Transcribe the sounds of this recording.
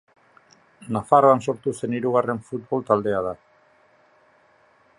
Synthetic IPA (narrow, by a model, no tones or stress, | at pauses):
nafaroanso̞ɾt̪use̞niɾuɣ̞are̞ɱfut̪̚βo̞lt̪ald̪e̞að̞a